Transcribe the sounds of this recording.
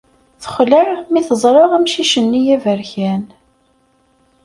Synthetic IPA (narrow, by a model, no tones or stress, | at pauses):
θə̥χləɾmiθəzˤɾˤɑʁæmʃiʃənːijævəɾçæn